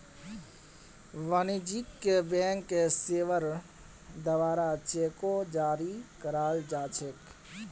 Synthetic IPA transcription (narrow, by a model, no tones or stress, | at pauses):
ʋanid͡ʒikkebẽːŋkːeseːʋəɾ | d̪əʋaːɾat͡ʃeːkod͡ʒaːɾikəɾaːld͡ʒaːt͡ʃʰek